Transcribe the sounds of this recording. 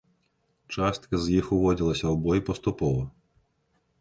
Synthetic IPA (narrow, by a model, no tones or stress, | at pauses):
t͡ʂast̪kɐzʲjixuʋɔd͡zʲilˠɐsʲɐwbɔjpɐst̪upɔvɐ